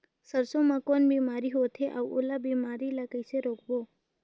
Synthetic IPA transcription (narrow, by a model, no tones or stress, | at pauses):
səɾsõmãkoːnbʱiːmaːɾiɦoːt̪ʰeʔa̰uʔolabiːmaːɾilakəɪseɾoːkʰboː